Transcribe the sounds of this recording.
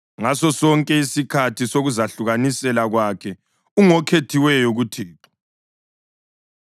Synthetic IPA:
ŋasɔsɔŋkʼɛisikʰatʰisoɣuzaɬuɣanisɛlaɣwakʰɛ | uŋɔkʰetʰiwɛjɔɣutʰiːǁɔ̥

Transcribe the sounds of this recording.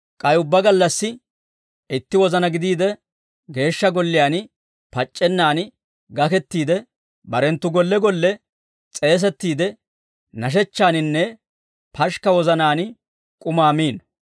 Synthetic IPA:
kʼɐjʊbːɐɡɐlːɐsːɪ | ɪt̪ːɪwɔzɐnɐɡɪd̪iːd̪ɛ | ɡe̞ːʃːɐɡɔlːɪjaːn | pɐt͡ʃʼːɛnːaːn | ɡɐkɛt̪ːiːd̪ɛ | bɐɾɛnt̪ːʊɡɔlːɛɡɔlːɛ | t͡sʼe̞ːs̬ɛt̪ːiːd̪ɛ | nɐʃ̬ɛt͡ʃːaːnɪnːɛ | pʰɐʃkɐwɔzɐnaːn | kʼʊmaːmiːn

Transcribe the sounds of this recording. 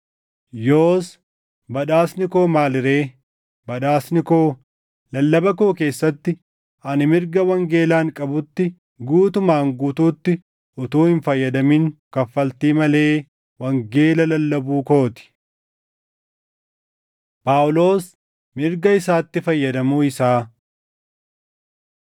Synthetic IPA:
joːs | bɐᶑaːsnɪko̞ːmaːlɪɾe̞ː | bɐᶑaːsnɪkoː | lɐlːɐbɐkoːke̞ːsːɐt̪ːɪ | ɐnɪmɪɾɡɐwɐŋɡe̞ːlaːŋkʼɐbʊt̪ːɪ | ɡuːt̪ʊmaːŋɡuːt̪uːt̪ːɪ | ʔʊt̪uːhɪnfɐjːɐd̪ɐmiːŋkɐfːɐlt̪iːmɐle̞ː | wɐŋɡe̞ːlɐlɐlːɐbuːko̞ːt̪ɪ̥ | paːwʊlo̞ːs | mɪɾɡɐɪsaːt̪ːɪfɐjːɐd̪ɐmuːɪsaː

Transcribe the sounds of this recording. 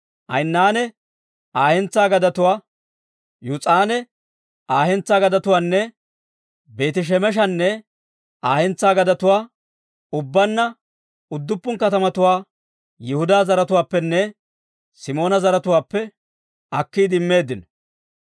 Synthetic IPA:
ʔɐ̰jnːaːnɛ | aːhɛnt͡saːɡɐd̪ɐt̪ʊwaː | jut͡sʼaːnɛ | aːhɛnt͡sːaːɡɐd̪ɐt̪ʊwaːnːɛ | be̞ːt̪ɪʃ̬ɛmɛʃ̬ɐnːɛ | aːhɛnt͡sːaːɡɐd̪ɐt̪ʊwaː | ʊbːɐnːɐ | ʊd̪ːʊpːʊŋkɐt̪ɐmɐt̪ʊwaː | jɪhʊd̪aːzɐɾɐt̪̬ʊwaːpːɛnːɛ | sɪmo̞ːnɐzɐɾɐt̪ʊwaːpːɛ | ɐkːiːd̪ɪmːe̞ːd̪ːɪnɔ

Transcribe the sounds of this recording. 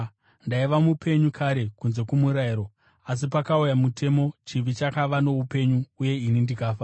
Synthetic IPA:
ndaiʋamupʰe̞ɲukʰaɾe̞kunze̞kumuɾaiɾo̞ | as̬ipakaujamutʰe̞mo̞t͡ʃiʋit͡ʃakaʋano̞upe̞ɲuːje̞inindikaːfa

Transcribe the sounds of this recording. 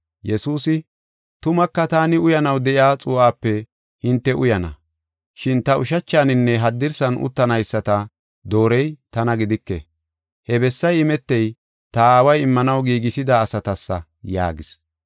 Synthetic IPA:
jɛsuːsɪ | t̪ʊmɐkːɐt̪aːnɪʊjɐnɐwd̪ɛʔjaːt͡sʼʊːaːpːɛ | hɪnt̪ːɛʔʊjɐnɐ̰ | ʃɪnt̪ɐʊʃɐt͡ʃːaːnɪnːɛɦɐd̪ːɪɾsɐnʊ̰t̪ːɐnɐjsːɐt̪ɐ | d̪o̞ːɾɛjt̪ɐnɐɡɪd̪ɪkːɛ̰ | hɛbɛsːɐjɪmɛt̪ːɛj | t̪ɐaːwɐjɪmːɐnɐwɡiːɡɪsɪd̪aːsɐt̪ɐsːɐ̰ | ja̰ːɡɪs

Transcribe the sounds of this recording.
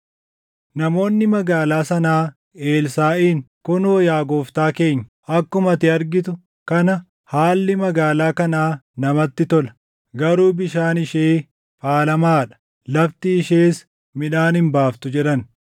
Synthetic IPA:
nɐmo̞ːnːɪmɐɡaːlaːsɐnaː | e̞ːlsaːʔiːŋkʊnoːjaːɡoːft̪aːke̞ːɲːɐ | ɐkːʊmɐt̪ɪɐɾɡɪt̪ʊ | kɐnɐ | haːlːɪmɐɡaːlaːkɐnaːnɐmɐt̪ːɪt̪ɔlɐ̥ | ɡɐɾuːbɪʃaːnɪʃeː | faːlɐmaːᶑɐ̥ | lɐft̪ɪːʃeːs | mɪᶑaːnhɪmbaːft̪ʊd͡ʒɛɗɐn

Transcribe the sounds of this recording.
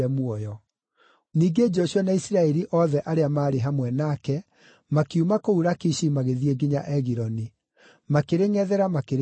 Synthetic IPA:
ɛmwɔjɔ | niːɡed͡ʒɔɕjɔnaisiɾaɛɾiʔɔðɛʔaɾeamaːɾeɦamwɛnakɛ | makiumakouɾakiʃimaɣeðieɡiɲaʔɛɣiɾɔni | makeɾeŋɛðɛɾamakeɾ

